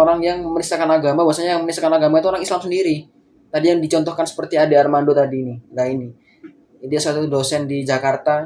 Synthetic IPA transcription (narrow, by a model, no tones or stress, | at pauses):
oɾaŋjaŋməmənisakanaɡamabaasaɲajaŋmənistakanaɡamait̪uoɾaŋislamsəndiɾi | t̪adijaŋdit͡ʃɔnt̪ɔhkansə̥pərt̪iadearmandot̪adiniɡaini | it̪uasat̪udosɛndid͡ʒakart̪a